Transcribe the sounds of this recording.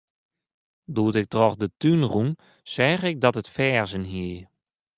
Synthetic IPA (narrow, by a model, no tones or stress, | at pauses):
duːtɪk̚trɔxdətynrun | sɛːχɪk̚dɔtətfɛːrzənɦiə